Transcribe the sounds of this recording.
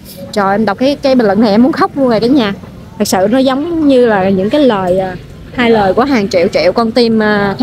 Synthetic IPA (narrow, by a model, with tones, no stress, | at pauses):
t͡ɕɔ˨˩ʔɛ˧mɗa˨˩wk͡p̚kaː˨˦kaː˨˦ɓi̟˨˩lə̰˧˨˩na˨˩ʔɛ˧mu˨˦ənxa˦˥wk͡p̚lu˧ənŋza˨˩kaː˨˦ɲaː˨˩ | t̪ʰɨ˨˩k̚sɨ̰˧˨nɔ˨˦zə˨˦wŋ͡mɲɨ˧laː˨˩ɲɨ̰˧˥ŋkaː˨˦jləː˨˩jʔaː˨˩ | haː˧jləː˨˩jku˧˩əɦaː˨˩ŋt͡ɕḭ˧˨əwt͡ɕḭ˧˨wkɔ˧nt̪i˧mːʰ˨˩